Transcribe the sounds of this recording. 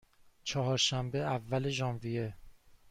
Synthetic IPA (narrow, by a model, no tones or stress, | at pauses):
t͡ʃʰɒɦɒːɾʃæmbe̞ævːæle̞ʒɒːnvije